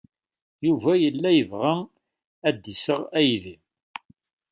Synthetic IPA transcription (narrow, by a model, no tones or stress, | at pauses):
juvæjəlːæjəvʁæ | æd̪isəʁæjli